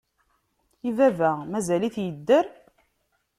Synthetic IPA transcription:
ivævæmæzæliθjəd̪ːəɾ

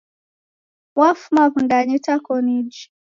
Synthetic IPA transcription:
wafumaβundaɲitakɔnid͡ʒi

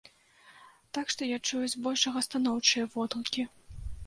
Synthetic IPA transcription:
t̪akʂt̪ɔjat͡ʂujuzʲbɔlʲʂɐɣɐst̪anɔwt͡ʂɨjɐvɔd̪lˠukʲi

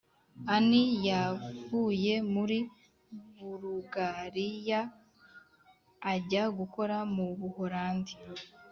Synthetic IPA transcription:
anijavuːje̞muɾi | βuɾuɡaɾija | ɟaɡuko̞ɾamuβuho̞ɾaːndi

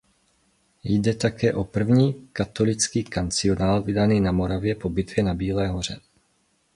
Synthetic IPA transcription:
jdɛt̪akɛːʔo̞pr̩vɲiːkat̪o̞lɪt͡skiːkant͡sɪonaːlvɪdaniːnamo̞ɾavjɛpo̞bɪt̪vjɛnabiːlɛːɦo̞r̝ɛ

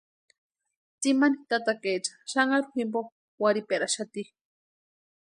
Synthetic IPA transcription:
t͡simanit̪at̪aket͡ʃḁʃaŋaɾuximpo | waɾipeɾaʃat̪i

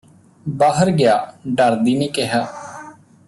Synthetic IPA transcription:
baːɦəɾɡɪjaːɖəɾd̪iːnẽːkeɦaː

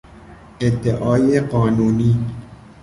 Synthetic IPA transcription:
ed̪ːeʔɒːjeɢɒːnuːniː

